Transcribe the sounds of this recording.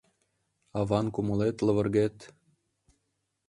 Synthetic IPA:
ɑβɑnkumɤ̆let̪lɤ̆βɤ̆rɣet̪

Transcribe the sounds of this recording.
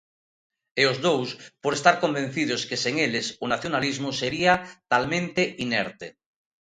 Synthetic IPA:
eʊzðowspoɾest̪aɾkombẽn̟θið̞ʊskeseŋelɪsʊnaθjonalizmʊseɾiat̪almẽnt̪eʔinɛ̰ɾt̪e

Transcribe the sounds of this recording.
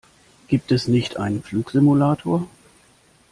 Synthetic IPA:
ɡ̥iːp̚tɛsnɪçtʔa̰ɪnənfluːkz̥ɪmulaːtʰoːɐ

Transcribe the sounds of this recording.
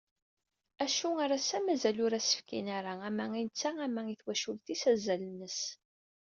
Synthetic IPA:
æʃuaɾasæmæzælʊɾæsə̥fkḭnæɾaæmæinət͡sːææmæiθwæʃulθisæzælənːəs

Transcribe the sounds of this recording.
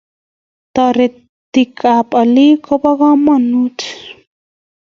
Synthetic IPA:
t̪aɾe | t̪ikʰapʼalikʰopaɣamanut

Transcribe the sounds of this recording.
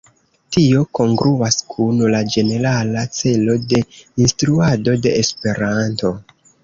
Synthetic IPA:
tio̞ko̞ŋɡɾuaskʰunlad͡ʒe̞ne̞ɾalat͡se̞lo̞de̞instɾuado̞de̞ːspe̞ɾanto̞

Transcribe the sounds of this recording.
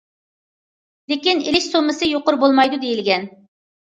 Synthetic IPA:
lekʲinilɪʃsomɨsɨjoqʊɾbolˠmɑjd̪ud̪ejilɡʲɛn

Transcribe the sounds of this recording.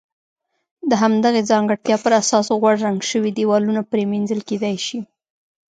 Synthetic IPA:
d̪əɦamd̪aɣed͡zɑŋɡəɽt̪jɑpəɾasɑsoɣwaɽːaŋɡʃəwid̪ewɑlunapɾeminzəlked̪ajʃi

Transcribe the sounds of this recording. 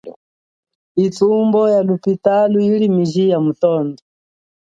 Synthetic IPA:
it͡sumbɔjalupitaluilimiʒijamutɔːndɔ

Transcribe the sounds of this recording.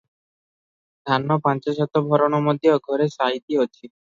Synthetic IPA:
d̪ʱanːɔpant͡ʃɔsɔt̪ɔbʱɔɾɔɽ̃ɔmɔd̪jɔɡʱɔɾesaɦit̪iot͡ʃʰi

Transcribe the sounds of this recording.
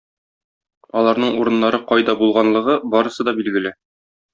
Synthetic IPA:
ɒlˠɑɾnɤɴuɾɤ̆nːɑɾɤqɒjd̪ɑbulˠʁɑnlˠɤ̆ʁɤbɒɾɤ̆sɤd̪ɒbilɡɘ̆lɘ

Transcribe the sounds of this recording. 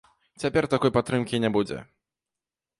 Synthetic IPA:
t͡ɕɛpʲɛrt̪akɔjpat̪ːɾɨmkʲijɲʲɛbud͡ʑʲɛ̰

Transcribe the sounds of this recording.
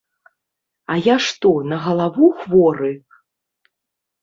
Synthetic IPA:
ɐjaʂt̪ɔnɐɣɐlˠavuxvɔɾɨ

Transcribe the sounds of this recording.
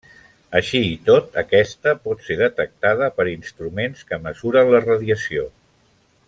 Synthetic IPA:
əʃiit̪ot̪əkɛst̪əpɔt̪seðət̪ək̚t̪að̞əpəɾinst̪ɾumenskəməzuɾənlərəðiəsio

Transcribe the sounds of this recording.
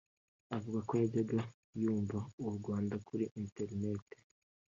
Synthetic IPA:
avuɡakojaɟeɡa | juːɱvauuɾɡwaːndakʰuɾiʔinteɾine̞te̥

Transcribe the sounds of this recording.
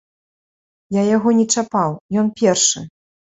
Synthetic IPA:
jajaɣɔnʲɛt͡ʂapawjɔnpʲɛrʂɨ̰

